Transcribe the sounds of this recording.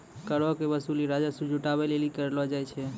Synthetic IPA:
kəɾɔkebəsuliɾad͡ʒasud͡ʒuʈabɛlelikəɾlɔd͡ʒajt͡ʃʰɛ

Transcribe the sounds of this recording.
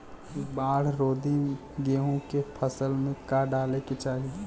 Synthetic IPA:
baːɽ̤ɾoːd̪i | ɡeɦũkepʰəsəlmẽkaɖaleket͡ʃaːɦi

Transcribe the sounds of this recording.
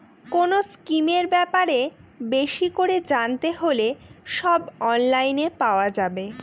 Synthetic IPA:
konoskimeɾbɛpaɾebeʃikoɾed͡ʑant̪eɦoleʃɔbɔnlajnepaoad͡ʑabe

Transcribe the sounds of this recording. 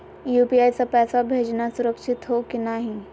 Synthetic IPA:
juːpiaːjsapɛːsabʱeːd͡ʒnasʊɾəkʃɪt̪ɦokɪnaɦĩ

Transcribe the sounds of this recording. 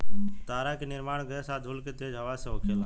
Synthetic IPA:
t̪aːɾaːkinɪɾmaːɳɡeːsaːd̪ʱulket̪eːd͡ʒɦəʋaːseoːkʰeːla

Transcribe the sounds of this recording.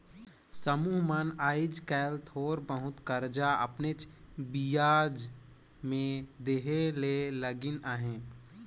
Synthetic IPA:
səmuːɦmənaːɪd͡ʒkɛːlt̪ʰoːɾbəɦʊt̪kəɾd͡ʒaə̰pnet͡ʃbijaːd͡ʒ | mẽd̪eɦeleləɡɪnaːɦẽː

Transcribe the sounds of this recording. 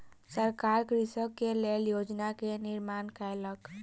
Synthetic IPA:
səɾkaɾkɾisəkːeleljod͡ʒnakeniɾmankajlək

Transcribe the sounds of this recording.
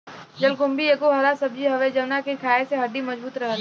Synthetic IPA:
d͡ʒɐlɡʊ̃mbieːkoɦɐɾasɐb̚d͡ʒiɦɐʋed͡ʒɐʋnakikʰaːeseɦɐɖ̪imɐd͡ʒbuːt̪ɾɐɦət̪

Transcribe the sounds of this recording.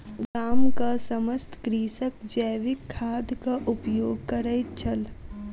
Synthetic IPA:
ɡaːmkasɐməst̪kɾiːsəkd͡ʒəːʋɪkʰːaːd̪kaʔʊpjoːɡ̚kɐɾəɪt͡ʃʰɐl

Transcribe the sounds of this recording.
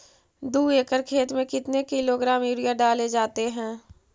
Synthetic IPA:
d̪uːeːkəɾkʰeːt̪mẽkɪt̪nekɪloɡɾaːmiːɾijaɖaːled͡ʒaːt̪eɦɛ̃ː

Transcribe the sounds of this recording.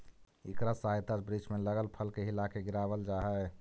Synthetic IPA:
ikɾasaɦjt̪ad͡ʒbɾit͡ʃmeləɡəlpʰəlkeɦilakeɡiɾaβəld͡ʒaɦɛ

